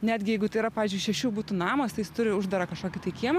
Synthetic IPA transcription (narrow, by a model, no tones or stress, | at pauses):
nʲæːd̪ʲɡʲɪjɛɪɡʊt̪ɐɪiɾɐpɑːʋʲiːzʲd͡ʒʊɪʃʲɛʃʲuːbuːt̪unɑːmɐst̪ɐɪjɪst̪ʊɾʲɪʊʒd̪ɐɾɐkɐʃkoːkʲɪt̪ɐɪkʲiɛmɐ